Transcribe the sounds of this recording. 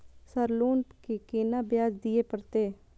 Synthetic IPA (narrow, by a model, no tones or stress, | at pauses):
səɾloːnkekeːnaːbjaːd͡ʒd̪ɪjeːpəɾt̪eː